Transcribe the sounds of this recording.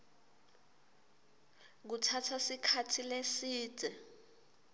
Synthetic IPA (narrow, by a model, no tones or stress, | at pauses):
k̬utʰatʰasikʰatʰilesi̥ːd̥ʱɛ